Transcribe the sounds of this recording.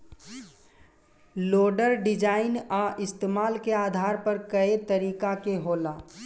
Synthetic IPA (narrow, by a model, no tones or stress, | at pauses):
loːɖəɾɖɪd͡ʒaːɪnaʔɪst̪eːmaːlkeaːd̪ʱaːɾpəɾkəet̪əɾiːkakeɦoːlaː